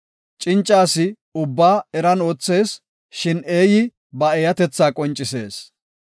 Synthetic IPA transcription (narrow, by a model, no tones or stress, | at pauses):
t͡ʃʼɪnt͡ʃʼːaːsɪ | ʊbːaːɛɾɐno̞ːt͡sːe̞ːs | ʃɪne̞ːjɪ | bɐejɐt̪ɛt͡sːaːkʼɔnt͡ʃʼːɪse̞̰ːs